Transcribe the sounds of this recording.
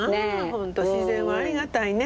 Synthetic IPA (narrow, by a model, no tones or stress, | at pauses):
hõ̞nt̪o̞ɕizẽɰ̃βaaɾʲiɣat̪aine